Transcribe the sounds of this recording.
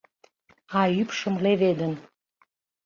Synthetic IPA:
ɑypʃə̆mleβed̪ən

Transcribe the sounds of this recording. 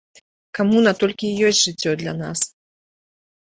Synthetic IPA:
kamunɐt̪ɔlʲkʲijɔsʲtʲʐɨt͡sʲːɔd̪lʲɐna̰s

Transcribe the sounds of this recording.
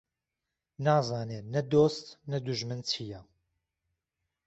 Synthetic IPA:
naːzaːneːnɛd̪oːst̪nɐd̪uʒmɨnt͡sʰija

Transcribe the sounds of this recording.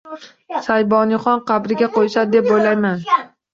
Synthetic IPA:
sajbɒnɪχɒnqʰɑbɾɪɡʲaqojsad̪d̪e̞p̚bojlajman

